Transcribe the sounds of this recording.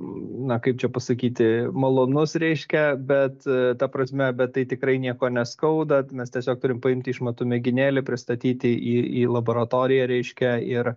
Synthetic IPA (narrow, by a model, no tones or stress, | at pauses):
nɐkɐɪp̚t͡ʃʲɛpɐsɐkʲiːt̪ʲɪmɐlˠoːnʊsɾʲɛɪʃʲkʲɛbʲɛt̪t̪ɐpɾɐsʲmʲɛbʲɛt̪tːɐɪt̪ʲɪkɾɐɪnʲiɛkoːnʲɛskɐʊd̪ɐmʲɛst̪ʲiɛsʲoːk̚t̪ʊɾʲɪmpɐɪmʲt̪ʲɪɪʃmɐt̪ʊmʲɪɡʲɪnʲeːlʲɪpʲɾʲɪst̪ɐt̪ʲiːt̪ʲɪʔiːḭːlˠɐboːɾɐt̪oːɾʲɪjɛɾʲɛɪʃʲkʲɛɪɾ